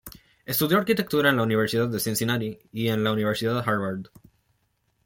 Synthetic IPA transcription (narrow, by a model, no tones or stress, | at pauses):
est̪uðjoaɾkit̪ek̚t̪uɾaenlauniβeɾsiðad̪ðesensinaɾiiẽnlauniβeɾsiðaðexaɾβaɾd̪